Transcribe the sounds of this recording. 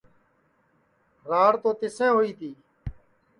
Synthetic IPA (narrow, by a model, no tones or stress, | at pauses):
ɾaːɽt̪õːt̪ɪsɛ̃ːɦoːiːt̪ʰiː